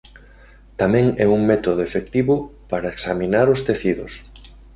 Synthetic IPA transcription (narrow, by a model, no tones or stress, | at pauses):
t̪amɛ̃ŋɛuŋmɛt̪oðʊefekt̪iβʊpaɾaeksaminaɾost̪eθiðʊ̰s